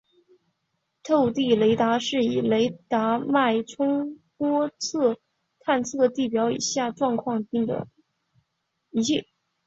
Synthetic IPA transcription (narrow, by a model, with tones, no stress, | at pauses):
t̪ʰo˥˧ʊt̪i˥˩le˧˥ɪt̪a˧˥ʂɻ̩˥˩i˨˩le˧˥ɪt̪a˧˥ma˥˩ɪʈ͡ʂʰʊ˥ŋpwɔ˥t͡sʰɤ˥˩ | t̪ʰa˥˧nt͡sʰɤ˥˩d̪ə˩t̪i˥˩pjɑ˧˥ʊḭ˨˩ɕja˥˩ʈ͡ʂwɑ˥˧ŋkʰwɑ˥˧ŋi˥˩d̪ə̰˩ | i˧˥ɛ˥˩